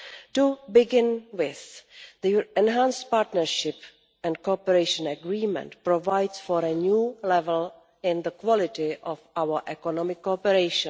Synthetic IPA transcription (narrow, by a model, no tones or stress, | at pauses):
tubɪɡɪ̃nwɪθd̪iɛ̃nɦãnstpaːɾtnəɹʃɪp | ɛ̃ntkopɛɾejʃə̃nɛɡɾiːmɛ̰̃ntpɾovajdsfɔɾɛnjuːlɛvɛl | ɪ̃nðəkwɔlɪtɪʔɔfawəʔɛkɔnɔmɪkːopɛɾejʃɔ̃